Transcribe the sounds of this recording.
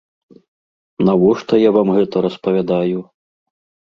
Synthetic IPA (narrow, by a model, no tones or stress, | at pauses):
navɔʂt̪ɔjavamɣɛt̪ɐɾɐspɐvʲad̪aju